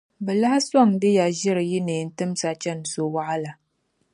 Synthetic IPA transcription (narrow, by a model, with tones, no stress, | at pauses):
bɛ˨la˦hsɔ˦˨ŋdɨ˦ja˨ʒɪ˦ɾɨ˨ji˦ne˨n̩˦tɨ˦m˦sa˨t͡ʃɛ˦˨n˨so˦wa˦ʔa˦la˨